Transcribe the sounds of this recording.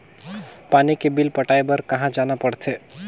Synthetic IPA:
paːnikebɪlpəʈaːebəɾkɐɦãd͡ʒaːnapəɽt̪ʰeː

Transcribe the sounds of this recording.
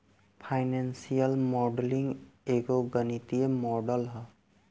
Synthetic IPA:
pʰajnensijəlmɔɖliŋɡeɡoɡənit̪iemɔɖəlɦə

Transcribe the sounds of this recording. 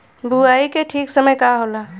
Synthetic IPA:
buaːikeʈʰiːksəməjkaɦola

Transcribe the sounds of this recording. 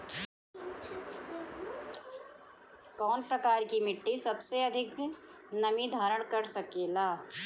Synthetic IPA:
kɔːnpɾɐkaːɾkimɪʈːisɐbseɐd̪ʱɪk | nɐmid̪ʱaːɾəɽ̃kɐɾsɐkelaː

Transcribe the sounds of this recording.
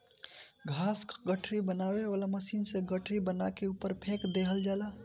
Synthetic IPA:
ɡʱasɡəʈʰɾibənaweʋalaməsinsẽɡəʈʰɾibənakeupəɾpʰekd̪ekɦəld͡ʒala

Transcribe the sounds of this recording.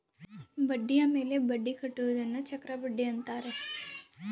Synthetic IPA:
bɐɖːijameːlebɐɖːikʰɐʈːuʋd̪ɐnːɐt͡ʃɐkɾabɐɖːiɐnt̪aːɾe

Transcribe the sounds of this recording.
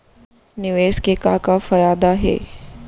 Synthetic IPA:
nɪʋeːskekakafɐjaːd̪aɦɛ̰ː

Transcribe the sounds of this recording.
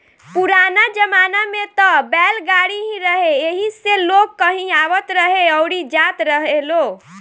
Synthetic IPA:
puɾanad͡ʒəmanamet̪ɔbɛlɡaɽiɦĩɾəɦeeɦiselokːəɦĩaʋət̪ɾəɦeəwɽid͡ʒat̪ɾəɦelo

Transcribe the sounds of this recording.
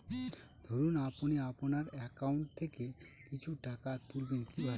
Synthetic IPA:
d̪ʱoɾunaponiaponaɾɛkauɳʈ̚t̪ʰeke | kit͡ɕʰuʈakat̪ulbenkibʱa

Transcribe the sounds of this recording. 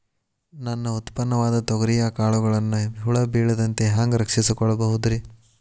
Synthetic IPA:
nɐnːɐut̪pɐnːɐʋaːd̪ɐt̪ɔɡɐɾijɐkaːɭuɡɐɭɐnːuɦuɭɐbiːɭɐd̪ɐnt̪e̞ɦaːŋɡɾɐkʂisikɔɭːɐbɐɦud̪ɾi

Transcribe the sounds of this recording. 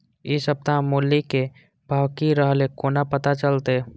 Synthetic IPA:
ɪsəb̚t̪aɦmːʊlːike | bʱaːwkiɾəɦlekoːnapət̪at͡ʃəlt̪e

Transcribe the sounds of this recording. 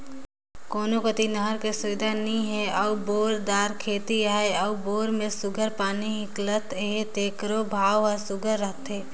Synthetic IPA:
koːnokət̪inəɦəɾkesʊʋɪd̪ʱanɐɦĩɦɛɔboːɾd̪aːɾkʰeːt̪iaːeɔboːɾmẽsʊɡʱəɾpaːniɦɪklət̪eɦet̪eːkɾobʱaːʋasʊɡʱəɾːəɦt̪ɦɛː

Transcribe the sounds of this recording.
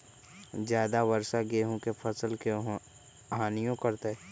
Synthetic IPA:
d͡ʒjaːd̪aʋəɾsaɡeːɦõkepʰəsəlke | ɦaːnijõkəɾt̪e

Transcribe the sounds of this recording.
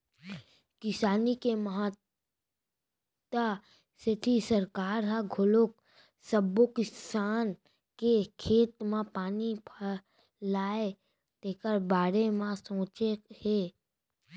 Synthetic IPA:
kɪsaːnikeməɦət̪ | t̪a | set̪ʰisɐɾkaːɾɦaɡʱʊlok̚ | səbːokɪsaːn | kekʰeːt̪mãpaːnipʰə | laːe | t̪ekəɾbaːɽemãsõːt͡ʃeheː

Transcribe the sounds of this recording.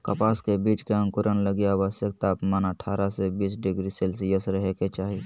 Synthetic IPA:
kəpaːskebiːt͡ʃkeə̃ŋkʊɾənləɡijaːʋəsjək̚t̪aːpmanəʈʰaːɾasebiːsɖɪɡɾiselsjəsɾəɦeket͡ʃaːɦi

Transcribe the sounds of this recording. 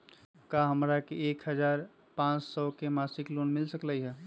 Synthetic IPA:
kaɦəmɾakeekɦəd͡ʒaːɾ | pãt͡ʃsɔːkemasɪkloːnmɪlsəkləiɦɛː

